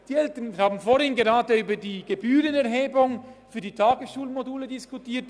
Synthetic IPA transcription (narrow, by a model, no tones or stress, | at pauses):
d̥iːɛltənhaːbn̩fohɪnɡeʁaːdəyːbɐdiːɡ̥ebyːʁənɛʁɦeːbʊŋfyːɐdiːtʰaːɡəsʃuːlmoduːlədɪskʊtʰiːɐt